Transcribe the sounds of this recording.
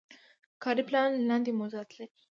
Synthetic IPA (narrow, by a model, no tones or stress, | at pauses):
kʰaɾiplanland̪imozaːt̪le